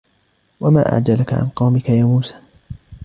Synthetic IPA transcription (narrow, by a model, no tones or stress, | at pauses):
wama̰ːʔa̰ʕd͡ʒalaka̰ʕa̰nqɑwmɪkajaːmuːsḁː